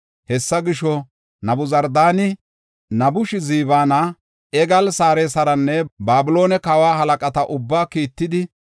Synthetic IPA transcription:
hɛsːɐɡɪʃɔ | nɐbʊzɐɾd̪aːnɪ | nɐbʊʃɪziːbaːnɐ | ʔɛɡɐlsaːɾeːsɐɾɐnːɛbaːbʊlo̞ːnɛkɐwaːɦɐlɐkʼɐt̪ɐʔʊbːaːkiːt̪ːɪd̪ɪ

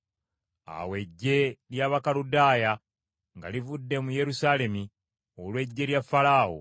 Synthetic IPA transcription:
a̰we̞ɟːe̞ljaβakaludaːja | ŋɡa̰livudːe̞muje̞ɾusaːle̞mi | olwe̞ɟːe̞ljafalaːho̰

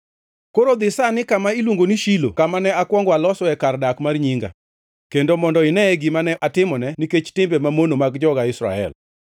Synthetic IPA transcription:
koɾod̪ɪsanɪkamailwoŋɡoniʃilo̰kamanɛakwɔŋɡwalɔsɔɛkardakmarɲiŋɡa̰ | kendomɔndɔɪnɛɛɡimanɛʔatɪmɔnɛniket͡ʃtɪmbɛmamonomaɡd͡ʒɔɡaɪsɾa̰ɛ̰l

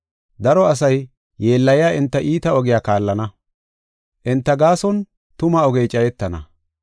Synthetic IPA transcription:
d̪ɐɾɔɐs̬ɐj | je̞ːlːɐjɪjaːʔɪnt̪ːɐʔiːt̪ɐɔɡɪjaːkaːlːɐnɐ | ʔɪnt̪ːɐɡaːsɔn | t̪ʊmɐɔɡɛjt͡ʃʼɐjɛt̪ːɐnɐ̰

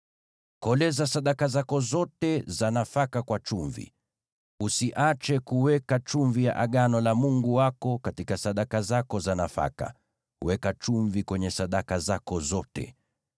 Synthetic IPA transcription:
kɔlɛzasaɗakazakɔzɔtɛzanafakakwat͡ʃuɱvḭ | usiʔat͡ʃɛkuwɛkat͡ʃuɱvijaʔaɠanɔlamuŋɡuwakɔkatikasaɗakazakɔzanafa̰ka̰ | wɛkat͡ʃuɱvikwɛɲɛsaɗakazakɔzɔtɛ̰

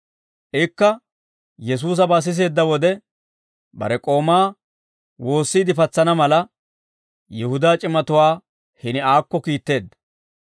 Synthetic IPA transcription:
ʔɛkːɐ | jɛs̬uːs̬ɐbaːs̬ɪs̬e̞ːd̪ːɐwɔd̪ɛ | bɐ̰ɾɛkʼo̞ːmaː | wo̞ːsːiːd̪ɪfɐt͡sːɐnɐmɐlɐ | jɛhʊd̪aːt͡ʃʼɪmɐt̪ʊwaː | hɪnɪaːkːɔkiːt̪ːe̞ːd̪ːɐ

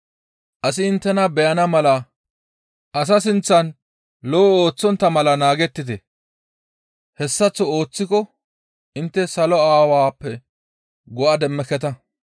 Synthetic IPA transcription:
ʔɐsɪɪnt̪ːɛnɐbɛjɐnɐmɐlɐ | ʔɐs̬ɐsɪnt͡sːɐn | lɔoːt͡sːɔnt̪ːɐmɐlɐnaːɡɛt̪ːɪd̪ɛ | hɛsːɐt͡sːɔo̞ːt͡sːɪkɔ | ɪnt̪ːɛsɐlɔaːwaːpːɛ | ɡɔʔɐd̪ɛmːɛkɛt̪ɐ

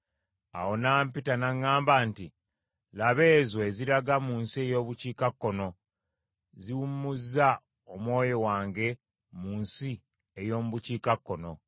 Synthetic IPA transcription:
a̰wo̞naːmpitanaŋːaːmbaːnti | laβe̞ːzoeziɾaɡamuːnsie̞jo̞ːβuciːkakːo̞no̞ | ziwumːuzːa | omwo̞ːjo̞waːŋɡe̞ | muːnsi | ejo̞ːmuβuciːkakːo̞no̞

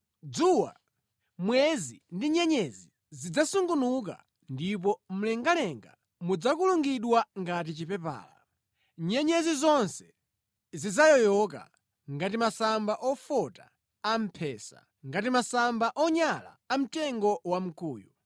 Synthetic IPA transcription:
d͡zuwa̰ | mwɛzindiɲɛɲɛzi | zid͡zasuŋɡunuk̬a̰ | ndip̬ɔm̩lɛŋɡalɛŋɡa | mud͡zakuluŋɡiɗwaŋɡat̬it͡ʃipɛpa̰ːla̰ | ɲɛɲɛzizɔnsɛ̥ | zid͡zajɔjɔka̰ | ŋɡatimasambaʔɔfɔta̰ː | m̩pʰɛːsa̰ | ŋɡatimasambaʔɔɲala̰ːm̩tɛŋɡɔwam̩kuːju

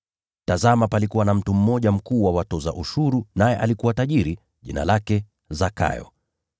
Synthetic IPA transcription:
tazamapalikuwanam̩tum̩ːɔʄam̩kuːwawatɔza̰ʔuʃuɾunajɛʔalikuwataʄiɾi | ʄḭna̰lakɛ | zaka̰jɔ̰

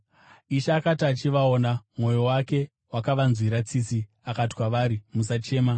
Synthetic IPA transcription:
iʃaːkatiat͡ʃiʋao̞namŋo̞jo̞wake̞ | wakaʋanzwiɾat͡sisi | akatiwaʋaɾimusat͡ʃe̞ːma

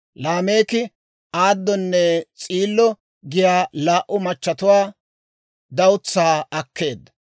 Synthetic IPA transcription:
laːme̞ːkɪ | aːd̪ːɔnːɛt͡sʼiːlːɔ | ɡɪjaːlaːʔʊmɐt͡ʃːɐt̪ʊwaː | d̪ɐwʊt͡sːaːɐkːe̞ːd̪ːɐ

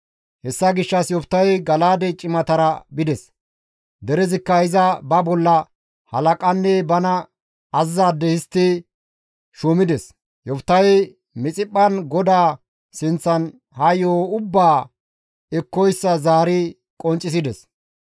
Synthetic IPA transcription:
hɛsːɐɡɪʃːɐsjɔft̪ːɐjɡɐlaːd̪ɛt͡ʃʼɪmɐt̪ɐɾɐbɪd̪ɛs | d̪ɛɾɛzɪkːɐhɪzɐbɐbɔlːɐ | hɐlɐkʼɐnːɛbɐnɐ | ɐzːaːd̪ːɛhɪst̪ːɪ | ʃumɪd̪ɛs | jɔft̪ːɐj | mɪt͡sʼɪpʼːɐnɡɔd̪aː | sɪnt͡sːɐn | hɐjoːʊbːaː | ɛkːɔjsːɐzaːɾɪ | kʼɔnt͡ʃʼːɪs̬ɪd̪ɛs

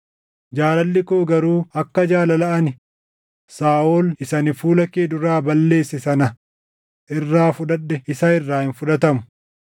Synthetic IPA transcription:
d͡ʒaːlɐlːɪkoːɡɐɾuːɐkːɐd͡ʒaːlɐlɐʔɐnɪ | saːoːlɪsɐnɪfuːlɐkeːd̪ʊɾaːbɐlːe̞ːsːɪsɐnɐ | ʔɪrːaːfʊᶑ̪ɐɗːɛɪsɐɪrːaːhɪnfʊᶑɐt̪ɐmʊ̥

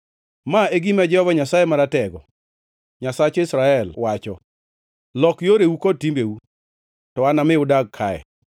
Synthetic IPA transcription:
maeɡimad͡ʒɛhɔvaɲasajemaɾatɛɡɔ | ɲasat͡ʃɔɪsɾaɛlwat͡ʃɔ | lɔkjoɾewukod̚timbewu | tɔanamɪʊdaɡ̚kʰaɛ̰

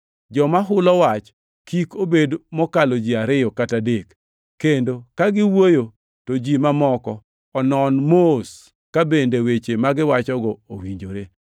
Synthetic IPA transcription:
d͡ʒɔmaɦʊlɔwat͡ʃ | kikobedmɔkalod͡ʒiaɾɪjɔkatadekː | endokaɡɪwojo | tod͡ʒimamɔkɔ | ɔnɔnmos | kabendewet͡ʃemaɡɪwat͡ʃɔɡɔowiɲd͡ʒoɾe

